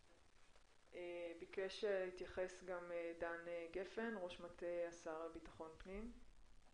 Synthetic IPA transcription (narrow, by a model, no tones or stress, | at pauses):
ʔebikeʃeʁit̪jaχe̞sɡamedaneɡe̞fe̞nʁo̞ʃmatejasaʁbitḁχo̞npnim